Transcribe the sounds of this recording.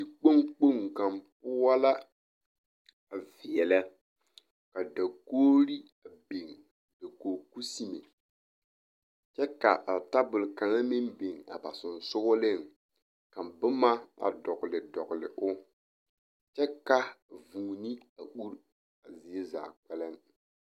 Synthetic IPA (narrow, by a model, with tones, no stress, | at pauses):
di˨k͡po˦ŋk͡po˦˨ŋka˨mp̚ʊ˦a˦la˦ | a˨vɪ˨jɛ˨la˦ | ka˨da˨koː˦ɾi˦ | a˨be˨ŋ | da˨koː˨ku˦si˦mḛ˨ | t͡ʃɛ˦ka˨ʔa˨ta˦bʊ˨lka˨ŋa˦mɪ˦nbe˨ŋa̰˨ba˨sʊ˨n˨sʊ˦ɣʊ˦lɪ˦˨ŋ | ka˨mbʊ˦ma˦a̰˨dɔ˨ɣlɪ˨dɔ˨ɡlɪ̰˨ʔʊ˦ | t͡ʃɛ˦ka˨vuː˨ni˦a˨ɓu˦ɾ | a˨zɪ˨ɛ˦za̰ː˨k͡pɛ˦lɛ˦n˦